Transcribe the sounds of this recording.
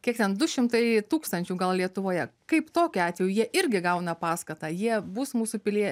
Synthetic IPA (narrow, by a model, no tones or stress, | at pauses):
kʲiɛkt̪ʲɛnd̪ʊʃʲɪmt̪ɐɪt̪uːkst̪ɐnʲt͡ʃʲuːɡɐlˠlʲiɛt̪ʊʋoːjɛkɐɪpt̪oːkʲʊɑːt̪ʲʋʲeːjuːjiɛʔɪɾʲɡʲɪɡɐʊnɐpɑːskɐt̪ɑjiɛbuːsmuːsʊpʲɪlʲiɛ